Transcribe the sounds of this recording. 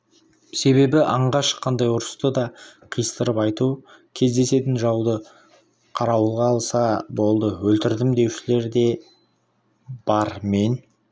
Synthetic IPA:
se̞βe̞bɪʔɑɴʁɑʃqʰːɑnd̪ɑjʊɾəst̪əd̪ɑqʰijəst̪əɾəpɑjt̪u | kʲʰe̞zd̪e̞se̞t̪ɪnʒɑwd̪ə | qʰɑɾɑwəlˠʁɑːlˠsɑbo̞lˠd̪əwɵlt̪ɪɾd̪ɪmd̪e̞wʃɪle̞ɾd̪e̞ | b̥ɑɾme̞n

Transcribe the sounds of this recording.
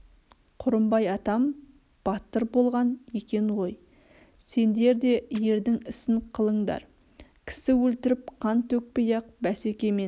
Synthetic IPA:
qʰʊɾəmbɑjɑt̪ɑm | b̥ɑt̪əɾbo̞lˠʁɑne̞kʲe̞nwo̞j | se̞nd̪e̞ɾd̪e̞je̞ɾd̪ɪŋɪsɪɴqʰəlˠəɴd̪ɑ̰ɾ | kʲʰɪ̥sɪwɵlt̪ɪɾɪp̚qʰɑnt̪ʰɵk̚pejɑq̚bæsekʲe̞me̞s

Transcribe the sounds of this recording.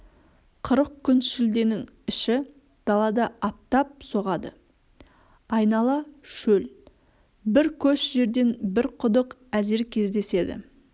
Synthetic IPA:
qʰəɾəq̚kʲʰʏnʃɪld̪e̞nɪŋɪʃɪ | d̪̥ɑlˠɑd̪ɑʔɑp̚t̪ɑp̚so̞ʁɑd̪ə̰ | ɑjnɑlˠɑʃɵl | bɪɾkʲʰɵʃʒe̞ɾd̪e̞nbɪɾqʰʊd̪əq | æze̞ɾkʲʰe̞zd̪e̞se̞d̪ɪ̰

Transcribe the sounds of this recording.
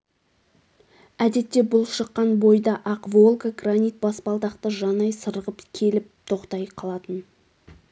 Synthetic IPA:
æd̪e̞t̪ːe̞bʊlˠʃəqːɑnbo̞jd̪ɑʔɑqvo̞lˠɡaɡranijt̪̚bɑsbɑlˠd̪ɑqt̪əʒɑnɑjsəɾəʁəpkʲʰe̞lɪp̚t̪ʰo̞qt̪ɑjqʰɑlˠɑt̪ən

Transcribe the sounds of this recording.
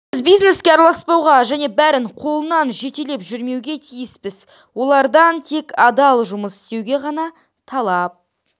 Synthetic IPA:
bɪzbijzne̞skʲeɑɾɑlˠɑspɑwʁɑʒæne̞bæɾɪɴqʰo̞lˠənɑnʒe̞t̪ele̞pʒʏɾme̞wɡʲe̞t̪ʰijɪspɪz | wo̞lˠɑɾd̪ɑnt̪ʰe̞kɑd̪ɑlˠʒʊməsɪ̥st̪e̞wɡʲe̞ʁɑnɑ | t̪ʰɑlˠɑp̚

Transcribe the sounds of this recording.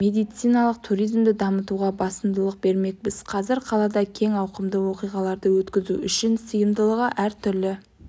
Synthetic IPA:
me̞d̪ijt̪sijnɑlˠəq̚t̪ʰuɾijzmd̪ɪd̪ɑmət̪uʁɑbɑsəmd̪əlˠəq̚be̞ɾme̞k̚bɪzqʰɑzɪɾqʰɑlˠɑd̪ɑkʲʰe̞ŋɑwqəmd̪əwo̞qijʁɑlˠɑɾd̪əwɵt̪kʲɪzuʏʃɪnsəjəmd̪əlˠəʁəʔæɾt̪ʰʏɾlɪ

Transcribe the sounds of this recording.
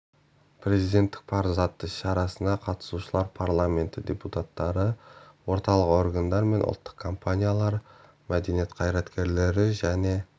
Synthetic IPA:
pʰɾe̞zijd̪e̞nt̪ːɪ̥k̚pʰɑɾzɑt̪ːəʃɑɾɑsənd̪ɑqʰɑt̪ə̥suʃəlˠɑɾpʰaɾlˠamʲe̞nt̪ɪd̪ʲe̞put̪at̪ːɑɾəwo̞ɾt̪ɑlˠəqo̞rɡand̪ɑɾme̞nʔʊ̰t̪ːə̥qkʰːo̞mpʰanʲijalˠɑɾ | mæd̪e̞nije̞t̪qʰɑjɾɑt̪kʲe̞ɾle̞ɾɪʒæne̞

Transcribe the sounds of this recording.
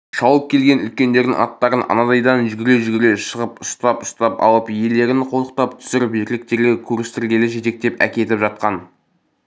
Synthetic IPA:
ʃɑwəp̚kʲʰe̞lɡʲe̞nʏ̰lkʲe̞nd̪e̞ɾd̪ɪ̰ŋɑ̰t̪ːɑɾənʔɑ̰nɑd̪ɑjd̪ɑnʒʏɡʲɪɾe̞ʒʏɡʲɪɾeʃəʁəpʊst̪ɑpʊst̪ɑpɑ̰lˠəpje̞le̞ɾɪnqʰo̞lˠəq̚t̪ɑpt̪ʰʏ̥sɪɾbeɾlɪk̚t̪e̞ɾɡʲekʲʰɵɾɪst̪ɪɾɡʲe̞lɪʒe̞t̪e̞k̚t̪e̞pæ̰kʲe̞t̪ɪpʒɑt̪̚qɑn

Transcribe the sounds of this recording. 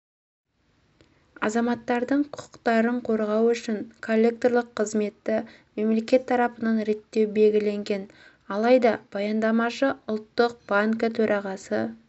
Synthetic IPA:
ɑzɑmɑt̪ːɑɾd̪əɴqʰʊʊ̥qt̪ɑɾəɴqʰo̞ɾʁɑwʏʃɪŋkʰo̞lʲːe̞k̚t̪o̞rlˠəqʰːəzme̞t̪ːɪ | me̞mle̞kʲe̞t̪ʰːɑɾɑpənɑnɾe̞t̪ːe̞wbe̞lʲɡʲɪle̞ŋɡʲen | ɑlˠɑjd̪ɑb̥ɑjɑnd̪ɑmɑʃəʊlˠt̪ːəq̚b̥aŋkət̪ʰɵɾʔɑʁɑsə

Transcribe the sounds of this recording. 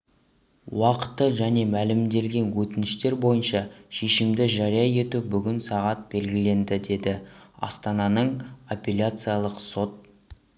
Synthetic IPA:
wɑqə̥t̪ːəʒæne̞mælɪmd̪e̞lɡʲe̞nwɵt̪ɪnɪʃt̪e̞ɾbo̞jənʃɑʃe̞ʃɪmd̪ɪʒɑɾijɑje̞t̪ubʏɡʲɪnsɑʁɑt̪̚be̞lɡʲɪle̞nd̪ɪd̪e̞d̪ɪɑ̰st̪ɑnɑnəɴopʲelʲat̪sɨjalˠəqso̞t̪̚

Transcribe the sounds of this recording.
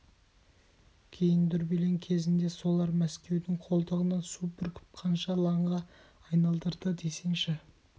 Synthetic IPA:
kʲʰe̞jɪnd̪ʏɾbeleŋkʲʰe̞zɪnd̪e̞so̞lˠɑɾmæskʲe̞wd̪ɪŋqʰo̞lˠd̪əʁənɑnsupɪɾkʲʰɪ̥p̚qʰɑnʃɑlˠɑɴʁɑː | jnɑlˠd̪əɾd̪əd̪e̞se̞ŋʃɪ

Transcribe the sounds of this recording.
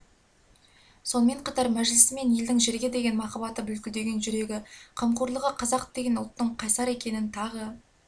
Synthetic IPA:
so̞nəme̞ɴqʰɑt̪ɑɾmæʒlɪsɪme̞nje̞ld̪ɪŋʒe̞ɾɡʲe̞d̪e̞ɡʲe̞nmɑqɑbɑt̪əbʏlkʲɪld̪e̞ɡʲe̞nʒʏɾe̞ɡʲɪqʰəmquɾlˠəʁəqʰɑzɑqd̪̥e̞ɡʲe̞nʊlˠt̪ːəɴqʰɑjsɑɾe̞kʲe̞nɪnt̪ʰɑʁə

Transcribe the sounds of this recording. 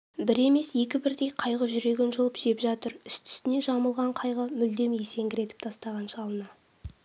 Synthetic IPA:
bɪɾe̞me̞sje̞k̬ʲɪbɪɾd̪e̞jqʰɑjʁəʒʏɾe̞ɡʲenʒolˠəpʒe̞pʒɑt̪əɾʏst̪ʰʏ̥st̪ɪne̞ʒɑməlˠʁɑɴqʰɑjʁəmʏld̪e̞mjese̞ŋɡʲɪɾe̞t̪ɪp̚t̪ʰɑst̪ɑʁɑnʃɑlˠənɑ

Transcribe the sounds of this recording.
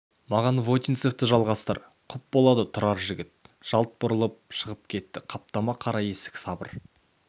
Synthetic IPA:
mɑʁɑnvot̪ʲinsekt̪əʒɑlˠʁɑst̪ə̰ɾ | qʰʊp̚bo̞lˠɑd̪ət̪ʰʊɾɑɾʒɪɡʲɪt̪̚ʒ̥ɑlˠt̪̚bʊɾəlˠəp̚ʃəʁəp̚kʲʰe̞t̪ːɪqʰɑp̚t̪ɑmɑqʰɑɾɑje̞sɪ̥kʲsɑbə̰ɾ

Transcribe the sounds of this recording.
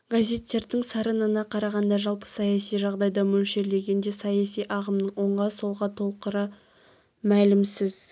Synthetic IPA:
ɡazʲe̞t̪ːe̞ɾd̪ɪŋsɑɾənənɑqʰɑɾɑʁɑnd̪ɑʒɑlˠpə̥sɑjɑsijʒɑʁd̪ɑjd̪ɑmɵlʃe̞le̞ɡʲe̞nd̪e̞sɑjɑsijʔɑʁəmnəɴwo̞ɴʁɑso̞lˠʁɑt̪ʰo̞lˠqəɾə | mælɪmsɪz̥

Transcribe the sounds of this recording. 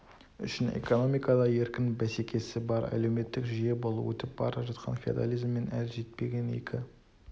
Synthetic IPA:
ʏ̰ʃɪne̞̰ko̞no̞mijkɑd̪ɑje̞ɾkʲɪnbæse̞kʲʰe̞sɪbɑɾæ̰le̞wme̞t̪ːɪkʒije̞bo̞lˠṵwɵ̰t̪ɪp̚bɑ̰ɾɑʒɑt̪qʰɑ̰nfʲia̰d̪a̰lˠijzmːe̞nʔælʒe̞t̪̚pe̞ɡʲe̞nḛkʲɪ

